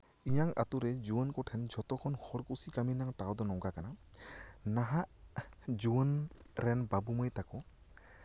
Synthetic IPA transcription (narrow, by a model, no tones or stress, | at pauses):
ijaŋa̰t̪uɾɛd͡ʒuənkɔʈʰɛnd͡ʒɔt̪ɔkʰɔnhɔɾkusikaminaŋʈawd̪ɔnɔɡakana | naɦaʔd͡ʒuənɾɛnbabuməjt̪akɔ